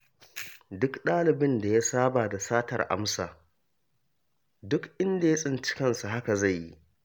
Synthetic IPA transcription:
dʊ˦kɗaː˦lɪ˨bɪ˦nda˨ja˦saː˦baː˨da˨saː˦tɐ̰˨rʔa̰˦msa̰ː˨ | dʊ˦kʔɪ˦nda˨ja˦sʼɪ˦nt͡ʃɪ̥˦kɐ˦˨nsa˨ɦa˦ka˨za˦˨jːi˦

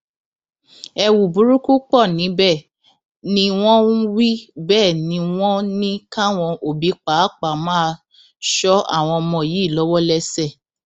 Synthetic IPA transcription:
ɛ˧wu˨bu˨˦ɾu˦ku˦k͡pɔ˦˨nĩ˨˦bɛ˦˨ | nĩ˧˦w̃ɔ̃˦wi˦bɛː˦˨nĩ˨˧˦w̃ɔ̃˦nĩ˦ka˦w̃ɔ̃˧ʔo˨bi˨˦k͡pa˨˦k͡pa˨mãː˦˧ | ʃɔ˦a̰˦˨w̃ɔ̃˧mɔ̃˧˨ji˨˦˨lɔ˨˦wɔ˦lɛ˦sɛ˦˨

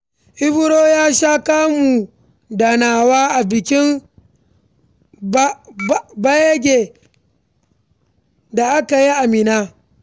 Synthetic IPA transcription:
ʔɪ˦bʊ˦ɾoː˦jaː˦ʃa˦ka˦mu˨ | da˨naː˨waː˦ʔa˨bɪ˨kʲɪ˦n | ba˦je˦ɡʲe˨ | da˨ʔa˦ka˨ji˦ʔa˨mɪ˨naː˦

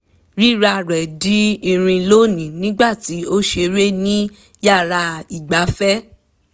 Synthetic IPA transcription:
ɾi˦ɾa˧ɾɛ˨di˦i˧ɾ̃ĩ˧lo˦nĩ˨nĩ˦ɡ͡ba˦˨ti˨˦o˦ʃe˧ɾe˦nĩ˦ | ja˦˨ɾa˧i˨ɡ͡ba˨˦fɛ˦

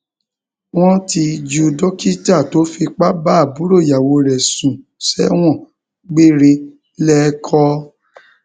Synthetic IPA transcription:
w̃ɔ̃˦ti˧d͡ʒu˧dɔ˦ki˦ta˦˨to˨˦fi˧k͡pa˦ba˦a˦˨bu˨˦ɾo˦˨ja˨wo˧ɾɛ˨sũ˨ | sɛ˦w̃ɔ̃˦˨ | ɡ͡be˦ɾe˧ | lɛ˦kʰɔ˧˦

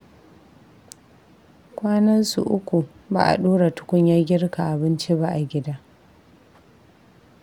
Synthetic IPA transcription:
kʷaː˦nɐ˦nsṵ˨ʔʊ˦kʷu˨ba̰ː˨ʔa̰˨ɗoː˦ɽa˨tʊ̥˦kʷʊ˦ɲjaː˦ɡʲɪ˦rka˨ʔa˨bɪ˦nt͡ʃi˦ba˦ʔa˨ɡʲɪ˦daː˦

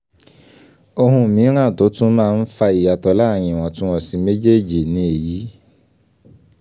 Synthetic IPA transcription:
o˧ɦũ˧˨mĩ˨˦ɾ̃ã˦˨to˨˦tũ˦mãː˦˧n̩˦fa˧i˨ja˨tɔ˨la˦˨j̃ĩ˨w̃ɔ̃˨tũ˦w̃ɔ̃˦˨sĩ˧˦me˦d͡ʒe˦˨d͡ʒi˨nĩ˨˦e˨ji˨˦

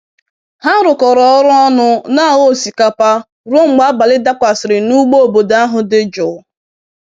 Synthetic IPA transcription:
ha˦ɾʊ˨kɔ˨ɾɔ˨ɔ˦ɾʊ˦ɔ˦nʊ˦na˦˨ɣo˦˨si˨ka˨pa˦ | ɾo˦ŋ͡m̩˨ɡ͡ba˦ba˨lɪ˦da˦kʷa˨sɪ˨ɾɪ˨nu˦ɡ͡bo˦o˨bo˨da˦a˦ɦʊ˦dɪ˦d͡ʒʊ˨˦

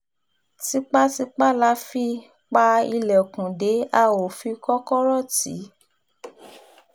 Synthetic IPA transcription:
ti˦k͡pa˦ti˦k͡pa˦la˧˦fi˦ | k͡pa˧i˧lɛ˨kũ˨de˨˦a˧o˨fi˧kɔ˦kɔ˦ɾɔ˦˨tḭ˨˦

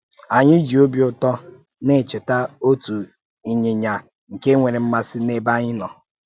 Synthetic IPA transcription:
a˨ɲɪ˦d͡ʒi˨o˦bi˦ʊ˦tɔ˦ | ne˦˨t͡ʃɪ˨ta˦o˦tu˨ | i˨ɲe˨ɲa˨ | ŋ̩˨ke˦ŋʷe˨ɾe˨m̩˦ma˦sɪ˦ne˦ba˦ɲɪ˦nɔ˨

